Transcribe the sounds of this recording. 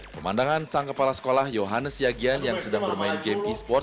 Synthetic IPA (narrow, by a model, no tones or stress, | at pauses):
pəma̰ndaŋansaŋkəpalasə̥kolahjoɦanəsjaɡianjaŋsədaŋbərmaɪnɡemd̪ispɔrt̪̚